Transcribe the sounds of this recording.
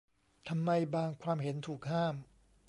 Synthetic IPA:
t̪ʰa˧mːa˧jbaː˧ŋkʰwaː˧mɦe˩˦nt̪ʰuː˨˩k̚haː˥˩m

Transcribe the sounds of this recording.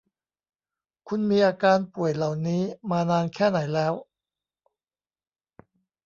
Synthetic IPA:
kʰu˧nmiː˧ʔaː˧kaː˧npu˨˩əjla˨˩wniː˦˥maː˧naː˧nkʰɛː˥˩na˩˦jlɛː˦˥w

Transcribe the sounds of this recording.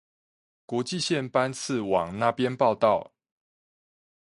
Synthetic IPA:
kwɔ˧˥t͡ɕi˥˨ɕjɛ˥˨npa˦nt͡s̩ʰ˥˨wɑ̰˨˩ŋna˥˨pjɛ˦npɑ˥˧ʊt̪ɑ˥˨ʊ

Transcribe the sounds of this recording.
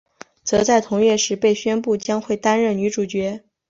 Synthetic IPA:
t͡sɤ˧˥t͡sa˥˩ɪt̪ʰʊ˧˥ŋɥɛ˥˩ʂɻ̩˧˥pe˥˩ɪɕɥɛ˥npu˥˩t͡ɕjɑ˥ŋxwe˥˩ɪt̪a˥nɻə˥˩ny˧˥ʈ͡ʂu˨˩t͡ɕɥɛ˧˥

